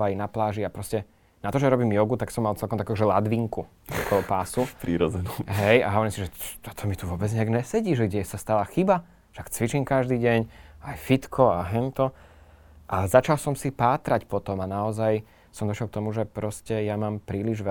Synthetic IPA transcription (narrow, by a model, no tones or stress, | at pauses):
ainaplaːʒiapɾɔscɛ | nat̪ɔʒɛɾɔbiːmjɔɡut̪aksɔmːalt͡sɛlˠkɔmt̪akɛuʒɛlad̪ʋiŋku | ɔ̰kɔlɔpaːsupɾiːɾɔd͡zɛnuɦɛja̰ɦɔʋɔɾiːmsiʒɛt̪ɔt̪ʰɔmit̪uʋʊɔbɛd͡zɲɛaɡɲɛsɛɟiːʒɛɡɟɛsast̪alaxiba | ʃɛakt͡sʋit͡ʃimkaʒd̪iːɟɛɲajfit̪kʰɔaɦɛnt̪ɔ | ʔaɛzat͡ʃalsɔmsipaːt̪ɾacpɔt̪ɔmanaɔzaj | sɔmd̪ɔʃjɛlk̚t̪ɔmuʒɛpɾɔscɛjamaːmpɾiːliʒʋɛ